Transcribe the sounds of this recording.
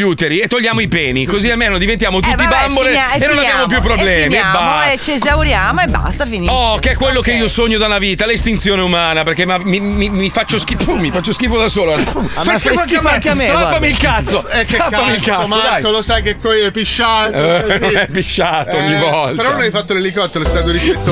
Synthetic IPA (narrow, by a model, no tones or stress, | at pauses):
ut̪eɾiet̪ːolʎːaːmoipɛːnikoziamːeːnod̪ivent̪jaːmot̪ut̪ːibamboleenːonabjaːmop̬jup̬ːɾoblɛmibat͡ʃezawɾjaːmoeba̰st̪afiniɔkeɛkːwelːokeiːosoɲːod̪anaviːt̪alist̪int̪sjoːneumaːnaperkemamimimifat͡ʃːoskiumifat͡ʃːoskifod̪asoːlofajskifak̪ːakaapːamiːlkat̪sːoɛsapamilkat̪sod̪aj̪olosajkekwɔjɛpːiʃːat̪nonɛpːiʃːaːt̪ooɲːivɔlt̪peɾɔnonajfat̪ːolelikɔt̪ːeloɛst̪at̪oɾikɾit̪ːo